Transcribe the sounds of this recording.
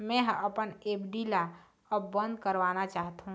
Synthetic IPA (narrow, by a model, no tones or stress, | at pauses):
mɛ̃ɦʔɐpəneːbɖila | ɔbə̃nd̪kəɾʋaːnat͡ʃaːɦt̪aɦũ